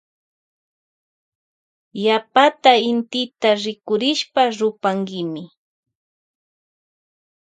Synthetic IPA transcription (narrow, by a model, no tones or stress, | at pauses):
japat̪aɪnt̪ɪt̪aɾɪkʊɾɪʃpaɾʊpaŋɡɪmɪ